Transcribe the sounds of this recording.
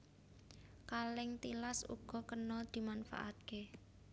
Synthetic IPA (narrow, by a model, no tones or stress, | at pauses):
kalɪŋt̪ilasṵɡ̥ɔ̤kənɔd̪̥i̤manfa̰ʔat̪̚ke